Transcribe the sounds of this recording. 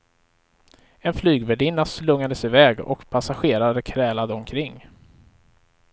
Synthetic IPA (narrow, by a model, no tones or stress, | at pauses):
ɛnflyːɡvɛɖɪnːaslɵŋːad̪əsɪvɛːɡɔ̰kpʰasaɧeːɾad̪əkʰɾɛːlad̪əɔmkʰɾɪŋː